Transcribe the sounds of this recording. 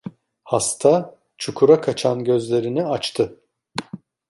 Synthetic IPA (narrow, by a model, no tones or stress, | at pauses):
hast̪ʰa | t͡ʃʰukʰuɾakʰat͡ʃʰanɟø̞zlʲe̞ɾiniat͡ʃt̪ʰɯ